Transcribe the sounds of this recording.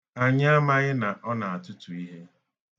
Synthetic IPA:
a˨ɲ˦a˦ma˦ɣɪ˦na˨ʔɔ˦na˨a˨tʊ˦tʊ˨i˦ɦe˦

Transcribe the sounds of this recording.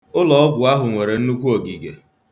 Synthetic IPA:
ʊ˦lɔ˨ɔ˦ɡʷʊ˨a˦ɦʊ˨ŋʷe˨ɾe˨n̩˦nu˦kʷu˦o˨ɡi˨ɡe˨

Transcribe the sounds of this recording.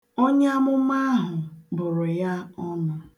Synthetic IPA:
o˦ɲ˦a˦mʊ˦ma˦a˦ɦʊ˨bʊ˨ɾʊ˨ja˦ɔ˦na˦

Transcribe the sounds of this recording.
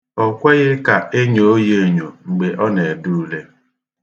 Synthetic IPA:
ɔ˨kʷe˦ɣɪ˦ka˨e˦ɲo˨o˦je˦˨ɲo˨ŋ͡m̩˨ɡ͡be˨ʔɔ˦ne˨e˨du˦ɾu˦le˦

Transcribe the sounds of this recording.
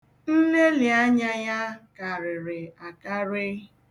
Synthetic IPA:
n̩˦le˦lɪ˨a˦ɲa˦ja˦ka˨ɾɪ˨ɾɪ˨a˨ka˦ɾɪ˦

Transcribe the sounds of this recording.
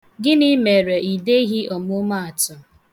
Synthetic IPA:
ɡɪ˦ni˦me˨ɾe˨i˨de˦ɦi˦ʔɔ˨mʊ˦ma˦a˨tʊ˨

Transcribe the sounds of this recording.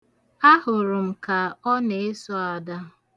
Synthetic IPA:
a˦ɦʊ˨ɾʊ˨m̩˨ka˨ɔ˦ne˨e˦sɔ˦a˨da˦

